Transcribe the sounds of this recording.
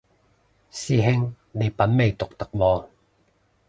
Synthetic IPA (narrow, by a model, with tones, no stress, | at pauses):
siː˧˩ɦɪ˥ŋ | le˨˧˩pɐ˨˦nme˨˧jt̪ʊ˨k̚t̪ɐ˨k̚wɔː˧